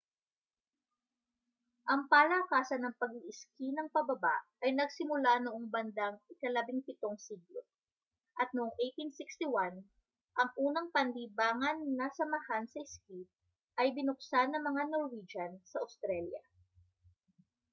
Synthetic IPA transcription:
ʔɐŋpalakaːsɐnːɐŋpɐɡiʔɪskinɐŋpɐbɐba̰ʔʔɐjnɐɡsɪmʊlanoʔoŋbɐnd̪aŋɪkɐlɐbiŋpɪt̪o̞ŋsiɡlo | ʔɐt̪̚noʔoŋʔejt̪insɪkst̪iwan | ʔɐŋʔuːnɐŋpɐnliːbaːŋɐnːɐsɐmɐhansɐʔɪskip̚ | ʔɐjbɪnʊk̚sanːɐŋmɐŋanoɾwid͡ʒɐnsɐʔɐst̪ɾɛljɐ̰

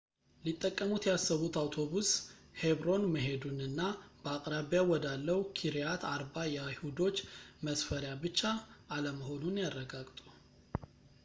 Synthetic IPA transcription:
lit̪ʼːəkʼːəmut̪jɛhasːəβut̪awt̪ʰo̞βushe̞bɾo̞nməɦe̞d̪unɨnːabəakʼɾaβjawɔd̪alːəwkʰiɾijat̪ʰaɾbajɛajhud̪o̞t͡ʃːməsfəɾjabɨt͡ʃːaʔːləməho̞nunjarːəɡaɡʼt̪ʼu

